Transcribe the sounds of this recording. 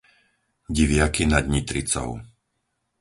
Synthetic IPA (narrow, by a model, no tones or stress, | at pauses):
ɟiʋɪakinad̪ɲit̪ɾit͡sɔ̰ʊ